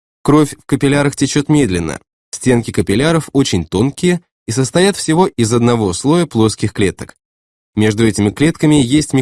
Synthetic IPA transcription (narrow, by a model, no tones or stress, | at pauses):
kɾo̞fʲfkəpʲɪlʲaɾəxtʲɪt͡ɕot̪mʲe̞d̪lʲɪnːə̰ | sʲtʲe̞nkʲɪkəpʲɪlʲaɾəfo̞t͡ɕɪnʲt̪o̞nkʲɪjə | isəst̪ɐjat̪fsʲɪvo̞ʔɪzɐd̪nɐvo̞slˠo̞jəplˠo̞skʲɪxklʲet̪ək | mʲe̞ʐd̪ʊɛtʲɪmʲɪklʲet̪kəmʲɪjesʲtʲmʲɪ